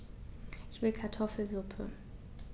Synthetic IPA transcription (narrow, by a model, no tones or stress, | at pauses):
ʔɪçv̥ɪlkʰaɐtʰɔfl̩zʊpʰə̰